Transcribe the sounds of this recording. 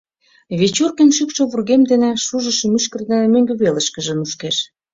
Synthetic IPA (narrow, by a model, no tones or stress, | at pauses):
βet͡ɕurkĕnʃykʃɤ̆βurɣemd̪enĕʃuʒə̆ʃə̆myʃkə̆rd̪emøŋɡø̆βelə̆ʃkə̆ʒə̆nuʃkeʃ